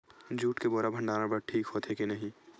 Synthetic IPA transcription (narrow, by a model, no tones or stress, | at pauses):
d͡ʒuːʈkeboːɾabʱɐ̃ɳɖaːnãbəɽʈʰiːkɦoːt̪ʰekinɐɦĩ